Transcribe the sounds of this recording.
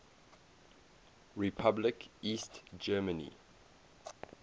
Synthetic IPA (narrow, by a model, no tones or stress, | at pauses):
ɹipʰablɪkistd͡ʒɛːmənḭ